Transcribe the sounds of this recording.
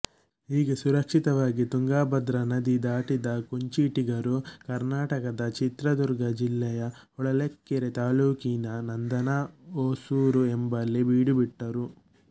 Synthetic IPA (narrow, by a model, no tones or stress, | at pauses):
iːɡesuɾɐkʂit̪ɐʋaːɡit̪uŋɡaːbɐd̪ɾɐnɐd̪id̪aːʈid̪ɐkuɲt͡ʃiːʈiɡɐɾukɐɾnaːʈɐkɐd̪ɐt͡ʃit̪ɾɐd̪uɾɡɐd͡ʒilːɛjɐɔɭɐlekːɛɾet̪aːluːkinɐnɐnd̪ɐnaːoːsuːɾuembɐlːibiːɽibiʈːɐɾu